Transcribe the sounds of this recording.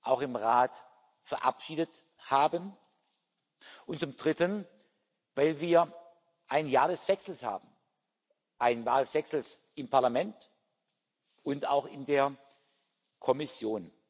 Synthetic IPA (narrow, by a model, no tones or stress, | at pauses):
ʔaʊxɪmʁaːt | fɛɐʔa̰pʃiːdət | haːbən | ʔʊnt̚t͡sʊmd̥ʁɪtən | vaɪlviːɐ | ʔaɪnjaːɐdɛsv̥ɛksl̩sha̰ːbm̩ | ʔaɪnjaːdɛsv̥ɛksl̩s | ɪmpʰaɐlamɛnt | ʔʊnta̰ʊxɪndeːɐ | kʰɔmɪsjoːn